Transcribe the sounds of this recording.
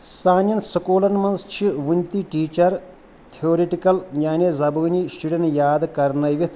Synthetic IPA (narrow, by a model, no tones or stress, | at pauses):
sʰaːnjɐnsɐkoːlɐnmɐnst͡ʃʰiʋunt̪iʈiːt͡ʃɐɾ | t̪ʰioːɾeʈikɐljaːnezɐbuːnisʈuɖenjaːd̪ɨkɐɾnɐjʋit̪ʰ